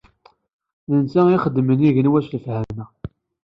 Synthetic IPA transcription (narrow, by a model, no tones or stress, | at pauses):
ðənt͡sæiχəd̪ːməniʝənwæʃləfhæmmæ